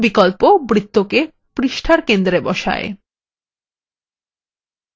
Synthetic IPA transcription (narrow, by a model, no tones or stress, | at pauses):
bikolpobɾit̪ːoke | pɾiʃʈʰaɾkend̪ɾebɔʃa̰ḛ